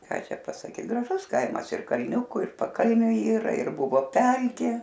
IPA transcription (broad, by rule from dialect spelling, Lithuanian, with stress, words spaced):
ˈkɑː ˈt͡ʃʲɛ pɐsɐˈkʲiː ɡrɐˈʒʊs ˈkɐɪmɐs ɪr kɐlʲˈnʲʊkʊ ɪr pɐˈkɐlʲnʲʊ ˈiːrɐ ɪr ˈbʊʋoː ˈpʲɛlʲkʲeː